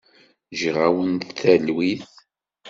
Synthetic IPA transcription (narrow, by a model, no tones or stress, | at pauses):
ʒʁawənθθælwiθ